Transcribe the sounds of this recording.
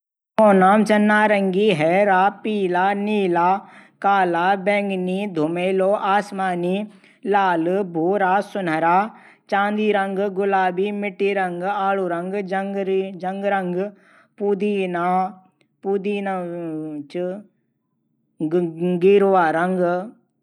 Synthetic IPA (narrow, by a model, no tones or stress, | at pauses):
koːnaːmt͡ʃɐnːaːɾɐŋɡiɦɛːɾaːpiːlaːniːlaːkaːlaːbɛ̃ːŋɡniːd̪ʱʊmeːloːʔaːsmaːniː | laːlbʱoːɾaːsʊnəɾaː | t͡ʃãːnd̪iːɾɐŋɡɡʊlaːbiːmɪʈːiːɾɐŋɡaːluɾɐŋɡɡd͡ʒɐŋɡɾɐŋɡ | puːd̪iːnaː | puːd̪iːn | t͡ʃ | ɡiːɾʋaːɾɐŋɡ